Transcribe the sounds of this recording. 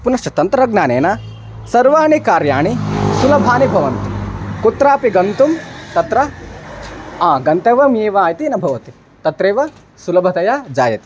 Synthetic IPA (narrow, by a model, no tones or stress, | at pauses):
punɐʂʈɐt̪ɐnt̪ɾɐɡnaːneːna | sɐɾʋaːɳikaːɾjaːɳisulɐbʱaːnibʱɐʋɐnt̪i̥kut̪ɾaːpiɡɐnt̪umt̪ɐt̪ɾɐ | aːɡɐnt̪eːʋɐmjeːʋɐaaːjɐt̪inɐbʱɐʋɐt̪i | t̪ɐt̪ɾeːʋɐ | sulɐbʱɐt̪ɐjaːd͡ʒaːjɐt̪i̥